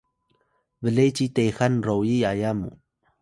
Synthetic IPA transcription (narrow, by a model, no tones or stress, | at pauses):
vəlejt͡ɕitejxanrowjiajamṵ